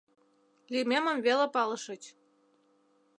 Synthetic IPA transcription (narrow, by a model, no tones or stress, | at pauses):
limʲemə̆mβelepɑlɤ̆ʃə̆t͡ɕ